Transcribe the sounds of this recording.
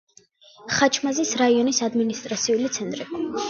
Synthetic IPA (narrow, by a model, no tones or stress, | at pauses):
χat͡ʃʰmazisɾaiɔnisad̪minist̪ʼɾat̪sʰiulit̪sʰɛnt̪ʼɾi